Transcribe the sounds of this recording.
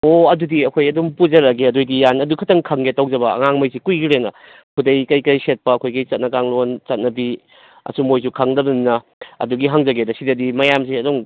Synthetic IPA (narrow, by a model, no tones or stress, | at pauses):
oɐdudiɐkʰojɐdumpuzɐɾɐɡeɐdojdijanɐdukʰɐtɐŋkʰɐŋɡetawd͡ʒɐbɐɐ̰ŋaŋmɐjsikujɡiɾenɐ | kʰudɐjkɐjkɐjset̚pɐːkʰojɡit͡ʃɐt̚nɐkaŋlont͡ʃɐt̚nɐbi | ɐ̰sumojsukʰaŋdɐbɐnnɐ | ɐ̰duɡiɦaŋzɐɡedɐsidɐdimɐjamsiɐdoŋ